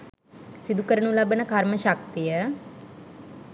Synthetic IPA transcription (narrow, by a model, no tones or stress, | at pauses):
sid̪ʱukəɾəɳũlabənəkaɾməʃɐk̚t̪ijə